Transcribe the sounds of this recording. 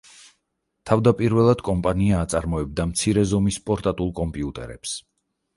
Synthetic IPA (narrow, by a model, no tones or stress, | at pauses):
t̪ʰavd̪apʼiɾvɛlˠad̪̥kʼɔmpʼaniaːt̪sʼaɾmɔɛb̚d̪amt̪sʰiɾɛzɔmispʼɔɾt̪ʼat̪ʼulˠkʼɔmpʼiut̪ʼɛ̰ɾɛ̰ps